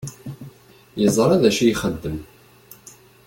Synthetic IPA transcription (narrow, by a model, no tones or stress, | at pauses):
jəzˤɾˤæðæʃijχəd̪ːəm